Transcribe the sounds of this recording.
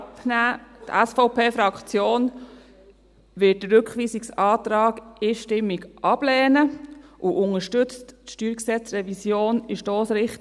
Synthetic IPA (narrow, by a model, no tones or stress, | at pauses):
pnæːtæsfɔʊpʰeːfɾɑkt͡sjoːn | ʋɪt̚dəɾɵkʋiːsiksɑːt̪ɾɑːɡiːʃtɪmːiɡʔɑb̥lɛːnəʔuʔʊŋəʃtʏt͡stʃtyːɾksɛt͡srɛvisjoːnɪʃd̥oːsɾɪχt